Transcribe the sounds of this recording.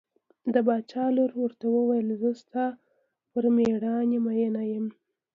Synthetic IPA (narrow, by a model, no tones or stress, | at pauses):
d̪əbɑt͡ʃɑloɾwəɾt̪awəwajəlzəst̪ɑ | pəɾmeɽɑnemajənajəm